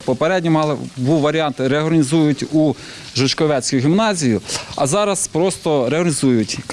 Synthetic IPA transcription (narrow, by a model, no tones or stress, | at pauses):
pɔpeɾɛdʲnʲimɑlˠbuwʋɐɾʲiɑnt̪ɾeɦɔɾnʲizujʊtʲu | ʒʊt͡ʃkɔʋɛsʲkʊjʊɦʲimnɑzʲijʊɐ̰zɑɾɐspɾɔst̪ɔɾeɔnʲizujʊtʲk